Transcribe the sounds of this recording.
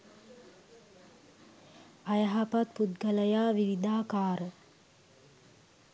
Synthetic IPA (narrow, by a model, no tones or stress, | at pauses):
ajəɦapat̪̚put̪ɡələjaːʋiʋid̪aːkaːɾə